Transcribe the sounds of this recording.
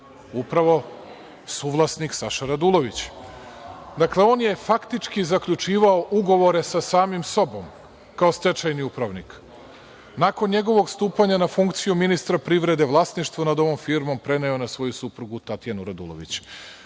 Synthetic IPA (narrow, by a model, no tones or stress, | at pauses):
upɾaʋo̞ | suʋlˠasniksaʃaɾad̪ulˠo̞ʋit͡ɕ | d̪akle̞o̞ːnje̞fakt̪it͡ʃkizakʎut͡ʃiːʋaoʔuɡo̞ʋo̞ɾe̞sasaːmimso̞bo̞m | kao̞st̪e̞t͡ʃajniupɾaʋnik | nako̞nɲe̞ɡo̞ʋo̞ɡst̪uːpaɲanafuŋkt̪sijuminist̪ɾapɾiʋɾe̞d̪e̞ʋlˠasniʃt̪ʋonad̪o̞ʋo̞mfiɾmo̞mpɾe̞neonasʋo̞jusupɾuɡut̪at̪ijanuɾad̪ṵlo̰ʋḭt͡ɕ